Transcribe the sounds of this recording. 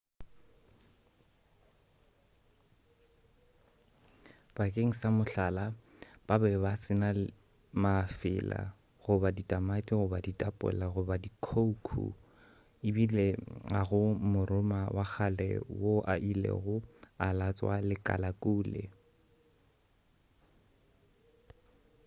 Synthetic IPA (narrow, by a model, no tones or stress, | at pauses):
b̥akʼeŋ̩samʊɬala | b̥abɛbasɪna | mafɪla̰ | ɣʊbaditʼamatʼiɣʊbaditʼapʼɛ̰laɣʊbadikʰoukʰṵ | ɪbileaɣʊmʊrʊmawʔak͡xʰalɛ̰woʔa̰ʔilḛɣʊalat͡sʼwa̰lɪkʼa̰lakʼuːlḛ